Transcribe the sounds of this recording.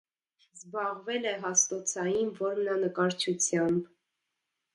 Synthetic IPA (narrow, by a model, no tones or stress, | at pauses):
zbɑʁvɛlɛɦɑst̪ɔt͡sʰɑjinvɔɾmnɑnəkɑɾt͡ʃʰut͡sʰjɑmb